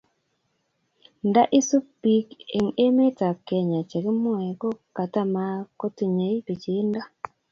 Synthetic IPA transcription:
nda˦ʔi˦su˦pi˦ke˨ŋe˦me˦ta˨ke˨ɲa˨t͡ʃe˨ɾi˦mu˦ɛ˨ɡo˦ka˨ta˦ma˦ko˦ti˨ɲe˨˦i˦bi˨t͡ʃi˨˦nda˦

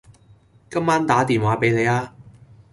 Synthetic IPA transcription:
kɐ˥mːaː˥nt̪aː˨˥t̪iː˨nwaː˨˥pe˨˥jne˨˧jaː˧

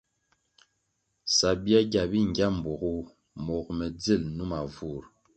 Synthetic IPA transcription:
sa˨bi˦a˦ɡʲa˨bi˦ŋ̩˨ɡʲja˦m̩˨bo˨ɡu˦ | mɔ˨kmɛ˨d͡ze˦˨lnu˦ma˨vu˦˨ɾ

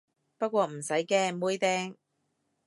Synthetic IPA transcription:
pɐ˥t̚kʷɔː˧m̩˨˩sɐ˨˥jkɛː˧muː˥jt̪ɛː˥ŋ

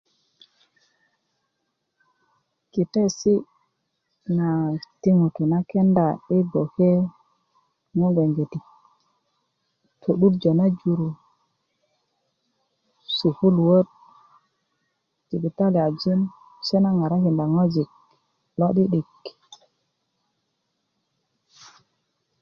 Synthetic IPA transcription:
ki˨te˦si˦ | na˨ti˦ŋu˨tu˨na˦ke˦nda˨ɗi˦ɡo˨ke˦ | ŋo˦ɡe˨ŋɡe˨ti˨k | tʰu˨ɗu˦td͡ʒo˨na˦d͡ʒu˧ɾu˨ | si˨fu˦lwo˦t̚ | d͡ʒ̥i˨bi˨ta˦li˨a˨d͡ʒu˦n | se˦na˦ŋa˨ɾa˦ki˨nda˨ŋo˦d͡ʒi˨k̚ | lɔ˦ɗi˦ɗi˨k

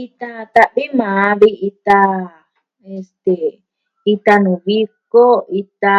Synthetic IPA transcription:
i˧t̪ã˦˧t̪a˧βi˦mã˨˦βi˧ʔi˧t̪a˧ | e˧st̪e˨ | i˧t̪a˧nũ˨βi˦ko˦i˧t̪a˧

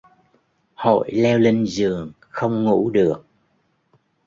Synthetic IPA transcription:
ho̰˧˨jlɛ˧wli˧ŋzɨ˨˩əŋ | xə˧wŋ͡mŋṵ˧˥ɗɨ˨˩ək̚

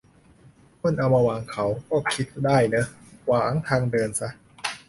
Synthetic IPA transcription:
pʰo˧˥˩nʔa˧wma˧waː˨˧ŋkʰa˦˥wkɔː˥˩kʰi˦˥t̪̚daː˥˩jnɤ˦˥waː˨˩˦ŋt̪ʰaː˧ŋdɤː˧nsa˦˥

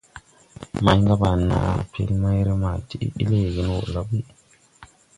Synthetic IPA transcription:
ma˨jŋɡa˦ba˨nːa̰˨ḭ˨pʰḛ˦lma˦jɾe˦ma˨ti˦ʔḭ˦ɗi˦le˦˨ɡe˦n˦o̰˨la˨˦bi˦

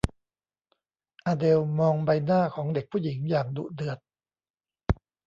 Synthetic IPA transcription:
ʔaː˧de˧wmɔː˧ŋba˧jnaː˥˩kʰɔː˩˦ŋde˨˩k̚pʰuː˥˩ji˩˦ŋjaː˨˩ŋdṵ˨˩dɯ˨˩ət̪̚

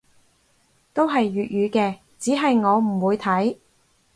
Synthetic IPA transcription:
t̪o˥wɦɐ˨jːyː˨t̚ɥyː˨˧kɛː˧ | t͡siː˨˥ɦɐ˨jŋɔː˨˧m̩˨˩wuː˨˧jt̪ʰɐ˨˥j

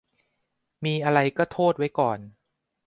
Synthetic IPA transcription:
miː˧ʔa˧ɾa˧jkɔː˥˩t̪ʰoː˥˩t̪̚wa˦˥jkɔː˨˩n

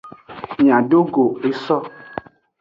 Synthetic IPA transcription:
ɲ˨ã˨ɖo˦ɡo˨e˦sɔ˦

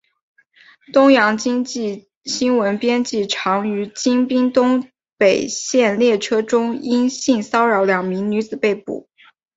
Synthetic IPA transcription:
t̪ʊ˥ŋjɑ˧˥ŋt͡ɕi˥ŋt͡ɕi˥˩ | ɕi˥nwə˧˥npjɛ˥nt͡ɕi˥˩ʈ͡ʂʰɑ˧˥ŋy˧˥t͡ɕi˥ŋpi˥ŋt̪ʊ˥ŋ | pe˨˩ɪɕjɛ˥˧nljɛ˥˩ʈ͡ʂʰɤ˥ʈ͡ʂʊ˥ŋi˥ŋɕi˥˩ŋsɑ˥ʊɻɑ˧˥ʊljɑ˨˩ŋmi˧˥ŋny˧˥t͡sɹ̩˨˩pe˥˩ɪpṵ˨˩˦

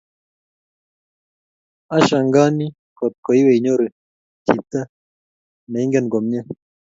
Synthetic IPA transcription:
a˦ʃa˨ŋɡa˦ni˦ | ko˨t̪̚ko˨i˦we˨i˨ɲo˦ɾe˨ | ti˨t̪a˦ | ne˨i˦ŋɡe˦nɡo˨mɲa˦

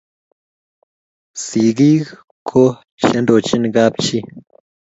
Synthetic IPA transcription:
si˨ɣi˦ɣ | kʰo˦ | ʃɐ˦nd̪o˨t͡ʃi˦nɡa˦pt͡ʃi˦

